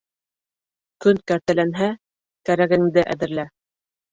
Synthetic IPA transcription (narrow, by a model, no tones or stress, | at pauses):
kɵnkæɾt̪ælænɦæ | kæɾæɡɘ̆ŋd̪ɘʔæ̰ðɘ̆ɾlæ